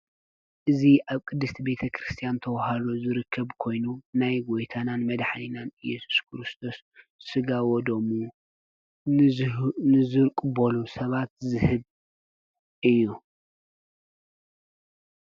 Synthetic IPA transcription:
ʔɨziʔaβkʼɨd̪ːɨst̪ʰibe̞t̪ʰɐkʰɾɨst̪ʰijant̪ʰɐwhalozɨɾɨkʰːɐβkʰo̞jnunajɡɔjt̪ʰananmɐd̪ħlinanɨjɛsu̥skʰɨɾɨst̪ʰo̞sː | ɨɡawɔd̪omu | nɨzɨɾkʼɨbolusɐβat̪̚zɨhɨβ | ʔɨjːu

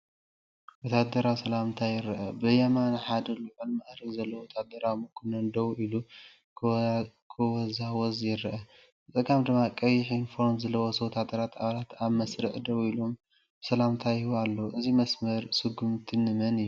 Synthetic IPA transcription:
wɔt̪ʰad̪ɐɾawsɐlamt̪ʰajɪɾɐʔɐbɨjɐmanaħad̪ɐluʕɨlmaʔɾɐkzɐlːɐwɔt̪ʰad̪ɐɾawmɨkʰunɐnd̪ɐwuʔilu | kʰɨwɔzawɔzjɪɾɐʔɐ | ɨt̪ʼɨkʼamd̪ɨmːakʼɐjɪħinfoɾnzɐlːɐwosɐwt̪ʰat̪ʼɐɾat̪ʰaβalat̪aβmɐsɾɨʕd̪ɐβilo̞m | sɐlamt̪ʰajiβalːɐʔɨzimɐsmɐɾsɨɡumt̪ʰinɨmɐnɨjːu

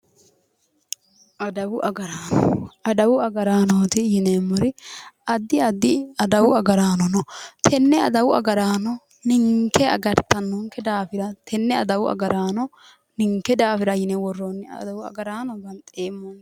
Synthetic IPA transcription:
ʔɐd̪ɐwʊʔɐɡɐɾaːnɔ̰ɐd̪ɐwʊɐɡɐɾaːnoːt̪ɪjɪneːmːʊɾɪɐd̪ːɪɐd̪ːɪɐd̪ɐwʊɐɡɐɾaːnɔnɔt̪ʰɛnːɛɐ̰d̪ɐwʊɐ̰ɡɐɾaːnɔ | nɪŋkːɛɐ̰ɡɐɾt̪ɐnːɔŋkːɛd̪aːfɪɾɐt̪ʰɛnːɛɐd̪ɐwʊɐ̰ɡɐɾaːnɔ | nɪŋkːɛd̪aːfɪɾɐjɪnɛwɔrːonːɪɐ̰d̪ɐwʊɐ̰ɡɐɾaːnɔɡɐnt̪ʼeːmːɔn

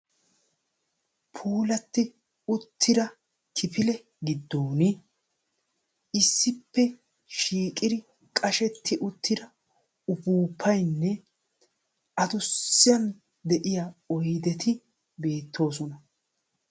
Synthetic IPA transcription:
pʰuːlɐt̪ːɪ | ʊt̪ʰːɪd̪ɐ | kʰɪpʰɪlɛ | ɡɪd̪ːoːnɪ | ɪsːɪpːɛ | ʃiːkʼɪd̪ɪ | kʼɐʃɛt̪ːɪʔʊt̪ʰːɪd̪ɐ | ʊbuːpʰːɐjnːɛ | ʔɐd̪ʊsːɪjɐn | d̪ɛʔɪjɐɔjd̪ɛt̪ʰɪ | be̞ːt̪ːo̞ːsɔnɐ

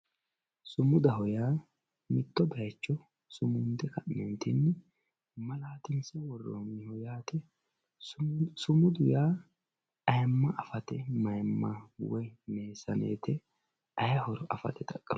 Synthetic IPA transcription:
sʊmʊd̪ɐɦɔjaː | mɪt̪ːɔbɐjt͡ʃːɔ | sʊmʊnd̪ɛkɐʔnɛnt̪ɪnːɪ | mɐlaːt̪ɪnsɐwɔrːo̰ːnːɪhɔjaːt̪ɛ | sʊmʊd̪ʊjaː | ɐjmːɐʔɐfɐt̪ɛmɐjmːawɔjne̞ːsɐnḛːt̪ɛ | ɐjɐhɔɾɔʔɐfɐ̰t̪ɛt̪ɐkʼːɐ

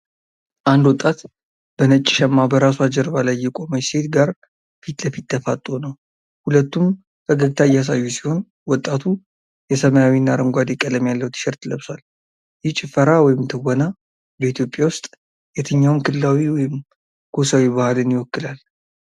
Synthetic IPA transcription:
ʔand̪wɔt̪ʼːat̪ | b̥ənət͡ʃʼːɪ̥ʃɛmːabəɾasuad͡ʒəɾβalajːɛkʼoməjsʰe̞t̪ɡaɾ | fit̪ləfit̪ːʰəfat̪ʼːonəw | hulət̪ːum | kʰəɡəɡt̪ʰaɨjːɛas̬ajːusi̥ho̞n | wɔt̪ʼːat̪ʰu | jɛsəməjawinːaɾəŋɡʷad̪ekʼələmjalːəwt̪ʰɨ̥ʃɛɾt̪ləβswal | jɪht͡ʃʼɪfəɾawɔjɪmt̪ʰɨwona | bəit̪ʰjo̞pʼjawʊst̪ʼ | jɛt̪ʰəɲːawnkʰɨlɨlawiwɔjɪm | kʰosawiβahalɨnjɪwɔkːɨlal

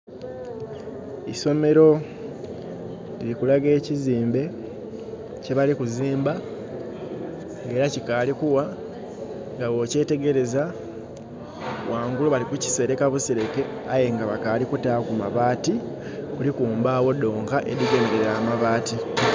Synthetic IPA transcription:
iso̞me̞ɾo̞ | lilikulaɡe̞ːciziːmbe̞ | ce̞βalikuziːmba | ŋɡe̞ːɾacikalikuwa | ŋɡaβo̞ce̞ːte̞ɡe̞ɾe̞za | wʔaːŋɡuluβalikuci̥se̞ɾe̞kaβusiɾe̞ke̞aje̞ŋɡaβakalikutakuma̰βaːti | kulikuːmbaːwo̞do̞ːŋkaʔeɾiɡe̞ːnde̞ɾɾamaβaːti

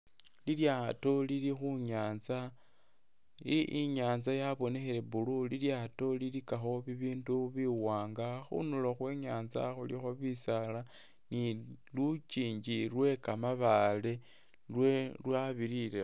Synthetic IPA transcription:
liljato̞lilixuɲaːnza | iʔiɲaːnzajaβo̞ne̞xele̞βululiljato̞lilikaxo̞βiβiːnduβiwaːŋɡaxṵnuloxwe̞ːɲaːnza̰xulixoβisala | nilut͡ʃiːɲd͡ʒilwe̞kamaβale̞ | lwelwaβiɾile

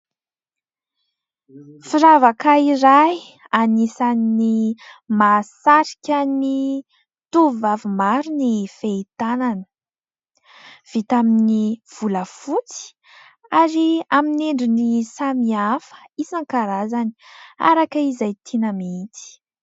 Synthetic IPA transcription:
fiɾavakaiɾaj | anisaninimasaɾi̥kʲani | t̪uvavimaɾunifeit̪ananə̥ | v̥it̪aminiv̥uləfut͡si̥ | aɾiamineɳɖ͡ʐinisamiafə̥isaŋkaɾazani̥a̰ɾakəizajt̪ʰinamit̪i̥

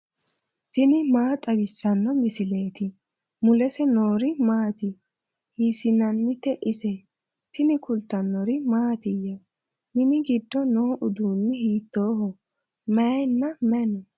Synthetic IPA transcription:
tɪnɪmaːt̪ʼɐbɪsːɐnːɔmɪsɪle̞ːt̪ɪ | mʊlɛsɛnoːɾɪmaːt̪ɪ | hiːsɪnɐnːɪt̪ːɛʔɪsɛ | tɪnɪkʊlt̪ːɐnːɔɾɪmaːt̪ɪje | mɪnɪɡɪd̪ːɔnoːʔʊd̪uːnːɛhiːt̪ːoːhɔ | mɛjnːɐmɛnɛ

